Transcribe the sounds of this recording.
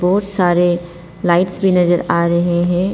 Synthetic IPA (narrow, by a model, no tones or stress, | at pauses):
bɔːt̪saːɾe | laːɪʈsbʱinɐzəɾaːɾɐɦeɦɛ̃ː